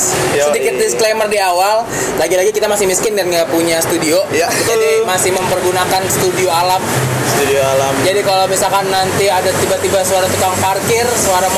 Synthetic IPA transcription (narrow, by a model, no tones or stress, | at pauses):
sədikɪt̪̚disklemərdiawal | laɡilaɡikit̪amasɪhmiskɪnɡanŋɡaʔpuɲasə̥t̪udiojkadimasɪhməmpərɡunakansə̥t̪udioalam | sudioalamd͡ʒadikalamisalkanːant̪iadat̪ibat̪ibasuaɾat̪ukaŋparkɪrsoaɾa